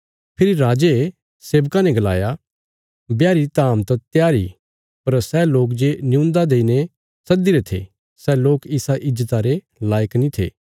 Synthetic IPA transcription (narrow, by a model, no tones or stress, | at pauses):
pʰɪɾiɾaːd͡ʒe | seːʋkanɛ̃ɡɐla̰ːja | bjaːɾit̪aːmt̪ɐt̪jaːɾḭ | pɐɾsɛloːk̬d͡ʒenɪjũːnd̪ad̪eːine | sɐd̪iɾet̪ʰḛ | sɛloːkɪsaʔɪd͡ʒːət̪aɾe | laːjəknĩt̪ʰḛː